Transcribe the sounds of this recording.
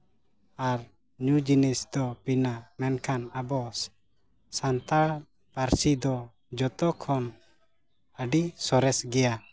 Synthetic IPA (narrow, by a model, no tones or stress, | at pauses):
aɾ | ɲud͡ʒinisd̪ɔpinamɛnkʰanabɔ | sant̪aɭ | paɾsid̪ɔ | d͡ʒɔt̪ɔkʰɔn | əɖisɔɾɛsɡɛja